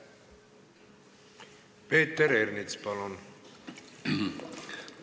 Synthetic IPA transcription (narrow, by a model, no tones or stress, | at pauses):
peːt̪ːeɾernit̪spɑlon